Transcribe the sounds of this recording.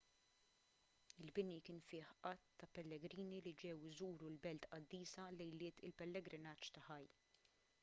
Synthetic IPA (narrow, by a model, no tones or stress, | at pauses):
ɪlbɪnikɪːnfɪːħʔɐt̪ːɐpɛlːɛɡɾiːnilid͡ʒɛwɪzuːɾulbɛlt̪ɐd̪ːiːsɐlɛjlɪːt̪ɪ̰lpɛlːɛɡɾɪnɐːt͡ʃːt̪ɐħɐj